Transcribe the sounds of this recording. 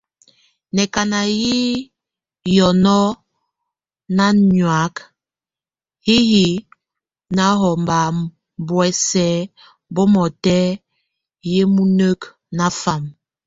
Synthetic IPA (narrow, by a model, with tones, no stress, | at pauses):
nɛ˨ka˨na˨ji˦ | jɔ˨nɔ˦ | na˦ɲwa˨˦k | hi˦hi˨ | na˦ɦɔ˨mba˨ | bwɛ˦sɛ˨˦ | bɔ˦mɔ˨tɛ˦ | je˦mu˦nə˦k | na˦fa˨m